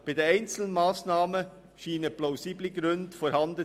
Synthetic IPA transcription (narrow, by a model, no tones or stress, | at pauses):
b̥aɪdeːæɪnt͡sl̩n̩maːsnaːmə | ʃiːnəplaʊsiːbliɡɾʉndfɔːɾhɑndə